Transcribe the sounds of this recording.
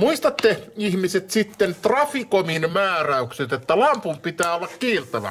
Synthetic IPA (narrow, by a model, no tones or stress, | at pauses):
muist̪ɑt̪ːeihmiset̪sit̪ːent̪rɑfikominmæːræykset̪et̪ːælɑmpumpit̪æːolːɑkkiːrt̪æʋæ̰